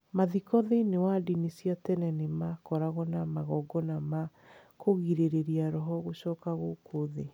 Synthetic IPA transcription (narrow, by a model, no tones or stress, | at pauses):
maðikɔðeinewadinisjatɛnɛnemakɔɾaɣɔnamaɣɔɡɔnama | koɣiɾeɾeɾiaɾɔɦɔɣoɕɔːkaɣokoðe